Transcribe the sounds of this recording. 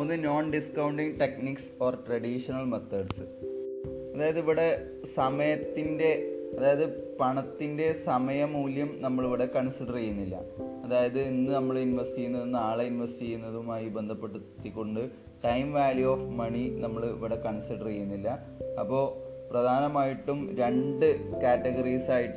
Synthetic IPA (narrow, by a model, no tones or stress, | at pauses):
onːɨno̞ːnɖiskɐwɳɖiŋʈekniksoːrʈrɐɽiʂɐnɐɭmɐt̪ːɐɽsɨ | ɐðaːjɐðɨiʋiɽe̞ | sɐmɐjɐt̪ːinde̞ɐðaːjɐðɨpɐɳɐt̪ːinde̞sɐmɐjɐmuːljɐmnɐmːɐɭiʋiɽe̞kɐɳsiɽɐrɐjːunːilːɐ̰ɐðaːjɐðɨinːɨnɐmːɐɭinʋɐstijːunːɐðenːaːɭeinʋɐstiejːunːɐðumaːjibend̪ʱɐpːe̞ʈːut̪ːikʲːo̞ɳɖɨ | ʈɐjmʋaːljuoːfmɐɳinɐmːɐɭiʋiɽe̞kɐɳsiɽɐrejunːilːɐ | ɐpːo̞ː | prɐd̪ʱaːnɐmaːjiʈːumɾe̞ɳɖɨkaːtːɐɡɐrisaːjiʈː